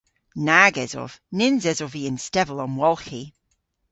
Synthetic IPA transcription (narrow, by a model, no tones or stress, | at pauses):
naːɡɛz̥ɔ̰v̥nɪnzɛzɔviɪ̃nstɛvəlˠɔ̃nwɔlˠxi